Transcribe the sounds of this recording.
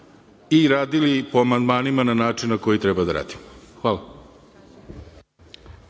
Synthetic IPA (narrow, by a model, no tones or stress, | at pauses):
iɾaːd̪ilipoamand̪maːnimananaːt͡ʂinnako̞jit̪ɾebad̪aɾa̰ːd̪i̥moxʋaːla